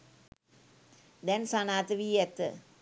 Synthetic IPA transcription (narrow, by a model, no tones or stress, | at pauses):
d̪ɛnsanaːt̪əʋiːɛt̪ːə̰